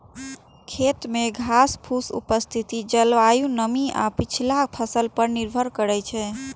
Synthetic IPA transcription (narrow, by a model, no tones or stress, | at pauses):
kʰet̪meɡʱaspʰusṵpəst̪ʰit̪id͡ʒəlʋajunəmiʔa̰pit͡ʃʰilapʰəsəlpəɾniɾbʱəɾkəɾɛt͡ʃʰɛ